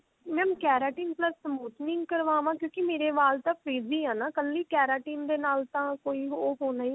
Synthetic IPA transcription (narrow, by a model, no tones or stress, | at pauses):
mɛ̃ːkɛːɾaːʈiːnpləsːəmoːt̪nɪ̃ŋɡkəɾʋaːʋãːkjõːkɪmeːɾeːʋaːlt̪ãːpʰɾiːziːɦãːnaːkəlːiːkɛːɾaːʈiːmd̪eːnaːlt̪ãːkoːiːɦoːɦoːnaːĩ